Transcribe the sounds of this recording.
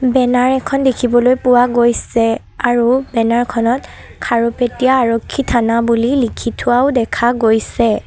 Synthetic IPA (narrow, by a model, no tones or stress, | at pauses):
bɛnaɹɛkʰɔndekʰibɔlojpʊwaɡojsɛ | aɹubɛnaɹkʰɔnɔt | kʰaɹopetijaːɹɔkʰːitʰanabulilikʰitʰʊwaʊdɛkʰaɡojsɛ